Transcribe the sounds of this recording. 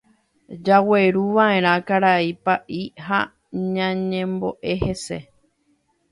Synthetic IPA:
d͡ʒawe̞ɾuʋãʔẽ̞ɾ̃ãkaɾaipaʔiɦa | ɲãɲẽ̞mbo̞ʔe̞he̞se̞

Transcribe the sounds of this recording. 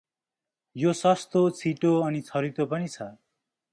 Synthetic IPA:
josʌst̪ot͡sʰiʈoʌnit͡sʰʌɾit̪opʌnit͡sʰʌ

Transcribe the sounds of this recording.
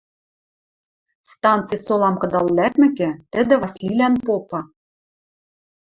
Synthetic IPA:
st̪ɑnt̪t͡sɨjsolˠɑmkɤ̆d̪ɑlːæt̪mɘ̆kɘ̆t̪ɘ̆d̪ɘ̆vɑsʲlʲilænpopɑ

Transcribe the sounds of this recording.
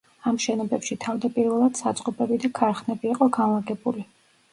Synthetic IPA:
amʃɛnɔbɛpʃit̪ʰavd̪apʼiɾvɛlˠad̪̥sat̪sʼqʼɔpʼɛbid̪akʰaɾχnɛbiːqʼɔɡanlˠaɡɛbuli

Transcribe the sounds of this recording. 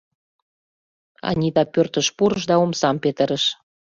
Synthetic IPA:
ɑ̰nʲit̪ɑpørt̪ə̆ʃpuɾə̆ʃd̪ɑomsɑmpet̪ə̆ɾəʃ

